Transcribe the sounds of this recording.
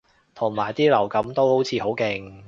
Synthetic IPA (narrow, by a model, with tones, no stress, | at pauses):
t̪ʰʊ˨˩ŋmaː˨˩jt̪iː˥lɐ˨˩wkɐ˨˥mt̪o˥who˨˥wt͡sʰiː˨˧ho˨˥wkɪ˨˧ŋ